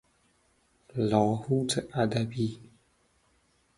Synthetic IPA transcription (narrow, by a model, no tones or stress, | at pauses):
lɔ̃hut͡səʔadabi